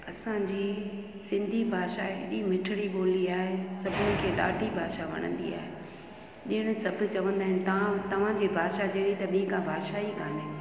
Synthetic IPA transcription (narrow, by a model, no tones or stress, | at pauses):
ɐsãd͡ʑiː | sɪ̃nd̪ʱibʱaːʃaeɗĩmɪʈʰɪɽiɓoːliaːɦesɐbʱɪnɪ̃kʰeːɗa̰ːɖʱibʱaːʃaʋɐ̰ɽ̃ə̰̃nd̪ḭa̰ːɦe | ɗɪəɽ̃ɪ̆sɐbʱʊ̆t͡ɕɐʋə̃nd̪aːɦɪ̃nɪ̆t̪ɐãt̪ɐʋ̤ãd͡ʑibʱaːʃad͡ʑeːɽit̪ɐɓĩːkʰãbʱaːd̪ʃaikaːne